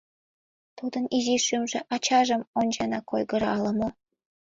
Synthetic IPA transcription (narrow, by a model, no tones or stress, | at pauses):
t̪ud̪əniziʃymʒĕʔɑt͡ɕɑʒə̆monʲd͡ʑɑnɑkojɣə̆ɾɑlə̆mŏ